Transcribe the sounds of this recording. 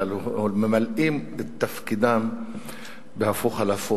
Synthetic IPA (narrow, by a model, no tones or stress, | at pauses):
lmemalʔimet̪ːafkid̪am | behafuxalafu